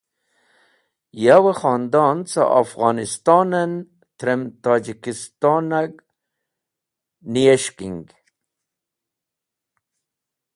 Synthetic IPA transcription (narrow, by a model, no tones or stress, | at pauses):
jawəxɑːnd̪ɑnt͡sa̰ʔa̰fɣɑnist̪ɑːnən | t̪ɾemt̪ɑːd͡ʑikist̪ɑːnaɡ | nijeʃkiŋɡ